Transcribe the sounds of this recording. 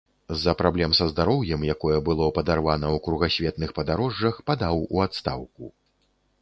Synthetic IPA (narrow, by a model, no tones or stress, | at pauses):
zːɐpɾablʲɛmsɐzd̪aɾɔwjɛmjakɔjɛbɨlˠɔpɐd̪arvanɐwkɾuɣasʲvʲɛt̪nɨxpɐd̪aɾɔʐːɐxpad̪awṵat̪st̪a̰wku